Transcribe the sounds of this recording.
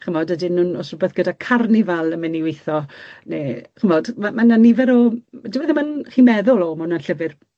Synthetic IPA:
χəmɔdədɪnʊnɔsrʊbɛθɡ̥ədakʰarnivɛlˠəmɛniwejθɔneχəmɔdmamananivɛɾɔdɪwɛðəmanχimɛðʊlˠɔmʊnanɬəvɪr

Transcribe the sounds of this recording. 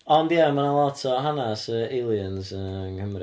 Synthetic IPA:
ɔndiamanalˠɔtʰɔɦanasəelˠjənsəŋkəmri

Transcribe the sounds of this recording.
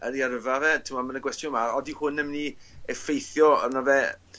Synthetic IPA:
əɾiaɾəvavɛtʰɪmɔmənəɡwɛstjʊnmaɔdihʊnɛmni | ɛfejθjɔɔnavɛ

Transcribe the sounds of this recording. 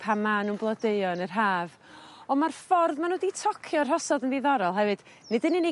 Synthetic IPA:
pʰamanunblˠɔdeɨɔnərɦaːv | ɔmarfɔrðmanoditʰɔkʰjɔrɦɔsɔdənðiðɔɾɔlˠɦɛvɨd̥ | nɪdənine

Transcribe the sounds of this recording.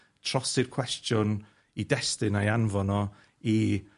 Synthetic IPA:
tʰr̥ɔsɪrkʰwɛstjʊn | idɛstɨnajanvɔnɔ | i

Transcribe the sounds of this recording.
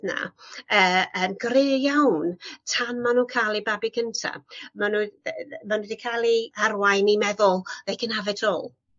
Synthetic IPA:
na̰əːənɡrɪjawntʰamːanuːkʰaːlˠibabiɡʰəntʰa̰manumanudikʰalˠiarwajnimɛðʊlˠejɡənavɛtʰɔːlˠ

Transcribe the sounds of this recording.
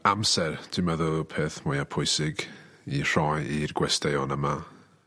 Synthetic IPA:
amsɛrtʰɪmaðəpʰeːθmʊjapʰʊɨsɪɡ | ir̥ɔjirɡwɛstejɔnəma

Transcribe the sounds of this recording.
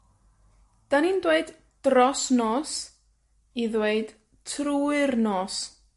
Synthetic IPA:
d̥anindweɨd | d̥rɔsnɔːs | iðweɨd̥ | tʰruːɨrnɔːs

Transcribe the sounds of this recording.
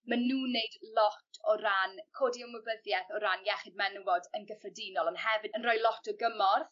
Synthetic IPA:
manuːneɨdlɔtʰɔɾankʰoːdiɔməbəðjɛθɔɾanjɛχɪd̚mɛnwɔdənɡəfrədinɔlˠɔnhɛvɨdənrɔjlˠɔtʰɔɡəmɔrð

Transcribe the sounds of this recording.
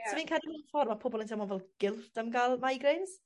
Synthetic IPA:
sʰɔviːnkʰadivənfɔrmapʰʊbɔlˠəntʰawmɔnvɛlˠɡ̥ɪlˠd̥amɡalˠmajɡrejns

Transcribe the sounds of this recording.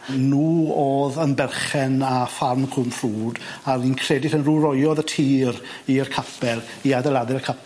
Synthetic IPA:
nuːoːðənbɛrχɛnafarmkʰʊmfruːdarinkʰrɛdɪθənruɾɔjɔðətʰiːɾ | irkʰapʰɛlˠ | iadɛlˠadɛkʰap

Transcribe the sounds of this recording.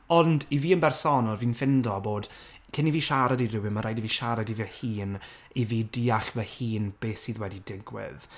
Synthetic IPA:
ɔndiviːənbɛrsɔnalˠviːnfɪndɔboːd̥ | kʰɪniviːʃaɾadiɾɪwɪməɾajdiviːʃaɾadivɛhiːn | iviːdiːaɬvɛhiːnb̥eːsiːðwɛdidɪɡwɪ̰ð

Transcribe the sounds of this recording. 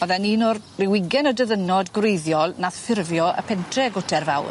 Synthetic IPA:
ɔðɛniːnɔr | rɪwɪɡɛnədəðənɔdɡwrejðjɔlˠnaθfɪrvjɔʔə̰pʰɛntʰrɛɡʊtʰɛrvawr

